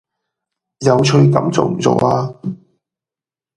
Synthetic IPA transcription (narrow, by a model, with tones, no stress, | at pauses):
jɐ˨˧wt͡ʃʰɵ˧ɥkɐ̰˨˥mt͡so̰˨wm̩˨˩t͡so̰˨˧waː˧